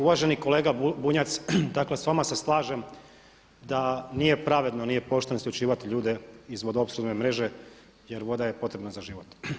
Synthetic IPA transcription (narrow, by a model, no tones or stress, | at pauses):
uʋaʒe̞niko̞leːɡabuɲat̪sd̪aklesʋamaseslˠaːʒem | d̪anije̞pɾaʋe̞d̪nonije̞po̞ʃt̪enoslʲut͡ʃiːʋat̪iʎuːd̪e̞izʋo̞d̪opsɾuzemɾe̞ʒe̞ | jeɾʋo̞d̪ajepo̞t̪ɾe̞bnazaʒiʋo̞t̪